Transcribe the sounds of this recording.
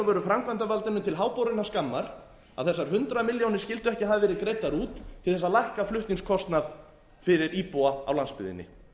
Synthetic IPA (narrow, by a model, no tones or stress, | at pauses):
vœːɾʏfɾamkʰvant̪avalt̪ɪnʏmt̪ʰɪlɦaːwpowɾɪnːaskamːaɾ̥ | a̰ðθɛsːaɾ̥ɦʏnt̪ɾamɪljownɪɾ̥scɪlt̪ʏɛhcɪhaðavɛːɾɪðkɾeːjt̪aɾuːt̪ʰɪlθɛsːalajhkaflʏht̪niŋskʰɔst̪nað | fɪɾɪɾiːpoaa̰wlanspɪ̰ðɪ̰nːɪ̰